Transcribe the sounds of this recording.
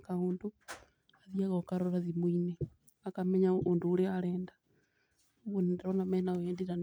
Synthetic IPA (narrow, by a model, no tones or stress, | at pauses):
kauːndu | aðiaɣokaɾoɾaðimwine | akamɛɲauːnduːleaɾeːnda | βunedɾonamɛnaeːndiɾan